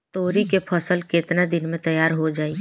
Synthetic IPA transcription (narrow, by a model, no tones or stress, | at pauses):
t̪oːɾikepʰɐsəlkɪt̪nad̪ɪnmẽt̪ɐjaːɾɦod͡ʒaːiː